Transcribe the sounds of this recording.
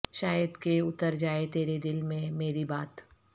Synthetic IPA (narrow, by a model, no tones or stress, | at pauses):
ʃaːjəd̪keʊt̪əɾd͡ʒaːet̪eːɾed̪ɪlmẽmeːɾibaːt̪